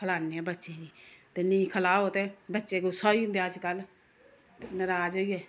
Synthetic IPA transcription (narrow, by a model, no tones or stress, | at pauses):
kʰəlaːneːɛːbətːʃeːd͡ʒiːt̪eːnɪĩːkʰəlaːoːt̪eːbətːʃeːɡoːsɔːiːʊ̃nd̪eːəd͡ʒkəl | t̪eːnəɾaːd͡ʒoːiːɛː